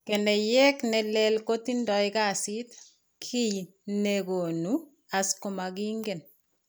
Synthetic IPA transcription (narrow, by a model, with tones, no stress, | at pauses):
kɛ˨nɛ˨jɛ˦knɛ˨lɛ˦lko˦ti˦ndɔ˨jka˦sit | kʰi˦j | neɡo˨nu | a˨sko˨ma˨ɡiŋɡɛ˨n